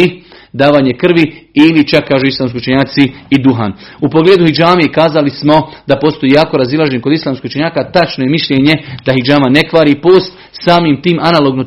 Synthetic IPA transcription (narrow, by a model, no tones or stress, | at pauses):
i | d̪aːʋaːɲekr̩ʋiilit͡ʃakːaːʒuislaːmskʲiut͡ʃeɲaːt̪siːd̪uɦa̰ːnupo̞ɡleːd̪uhid͡ʒaːmekaːzalismo̞d̪apo̞st̪o̞jiːjaːko̞ɾazilˠaʒenko̞d̪islˠaːmskiut͡ʃeɲaːkat̪at͡ʃnoje̞miʃʎeɲe̞d̪̥aɦid͡ʒaːmane̞kʋaːɾiːpo̞ːst̪ | saːmimt̪iːmʔanalo̞ɡno